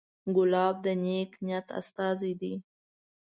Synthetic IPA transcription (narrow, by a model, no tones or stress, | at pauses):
ɡʊlɑb̚d̪əneknjat̪a̰st̪ɑzid̪i